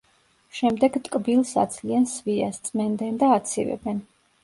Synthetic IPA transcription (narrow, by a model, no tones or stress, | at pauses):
ʃɛmd̪ɛɡt̪ʼkʼbilˠsa̰d̪zʰliansviast̪sʼmɛnd̪ɛnd̪aːt̪sʰivɛ̰bɛn